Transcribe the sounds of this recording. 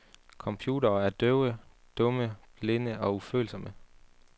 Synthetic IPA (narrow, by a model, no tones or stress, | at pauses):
kʰɒ̽mpʰjṵːdɐːæɐd̥øʊə | d̥ɔ̽məb̥le̝nəʔɒ̽ufø̰ːl̩sɒ̽mə